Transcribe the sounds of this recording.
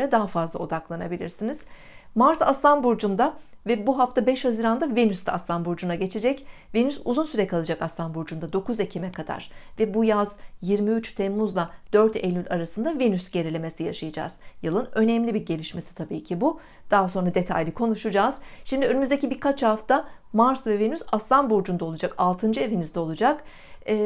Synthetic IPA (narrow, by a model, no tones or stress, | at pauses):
ɾɛd̪aɦafazlˠa̰o̞d̪aklˠanabilʲḭɾsiniz̥ | maɾsa̰st̪anbuɾd͡ʒund̪avɛbuɦaft̪ʰabɛʃhaziɾand̪avinyst̪aast̪anbuɾd͡ʒunaɟe̞t͡ʃʰe̞d͡ʒɛcvinysuzunsyɾɛkʰalˠad͡ʒakast̪ʰanbuɾd͡ʒund̪ad̪o̞kuzecʰimɛkʰad̪a̰ɾ̥vɛbujazjiɾmiyt͡ʃt̪ʰɛmːuzlˠad̪̥øɾt̪ʰelʲːylʲaɾasɯnd̪avinysɟe̞ɾilʲe̞me̞sijaʃajad͡ʒa̰ːz̥jɯlˠɯnø̞nɛmlʲibiɾɟe̞lʲiʃme̞si̥t̪ʰabiːcʰibu | d̪̥aɦaso̞nɾad̪e̞t̪ʰa̰jlʲikʰo̞nuʃud͡ʒaːz̥ʃimd̪iø̞nymyzd̪ecibiɾkʰat͡ʃhaft̪amaɾsvɛvenysast̪anbuɾd͡ʒund̪alˠud͡ʒakalˠt̪ʰɯnd͡ʒɯevinizd̪ɛo̞lˠud͡ʒakː